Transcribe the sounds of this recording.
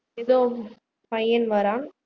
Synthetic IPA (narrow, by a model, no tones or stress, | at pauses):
eðoː | pɐjːɐnʋɐɾaːŋ